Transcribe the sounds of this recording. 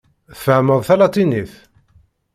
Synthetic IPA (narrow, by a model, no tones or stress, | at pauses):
θfəʕməðˤθælɑt̪ˤːiniθ